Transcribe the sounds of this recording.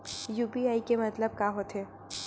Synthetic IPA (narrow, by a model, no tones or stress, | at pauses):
juːpiaːikemɐt̪ləb̚kaɦot̪ɦeː